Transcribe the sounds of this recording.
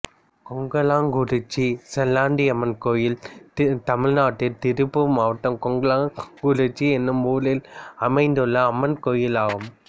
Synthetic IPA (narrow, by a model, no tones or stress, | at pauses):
kɔŋɡɐlaːŋɡuɽɯt͡ʃːisɛlːaːɳɖiɐmːɐnkoːjɪlt̪ɐmɪɻnaːʈːɪlt̪ɪɾɯpːɯmaːʋʈːɐmkɔŋɡɐlaːɡuɽɯt͡ʃːiɛnːɯmuːlɪlɐmɐɪnd̪ɯɭːɐːmːɐnkoːjɪlaːɣɯm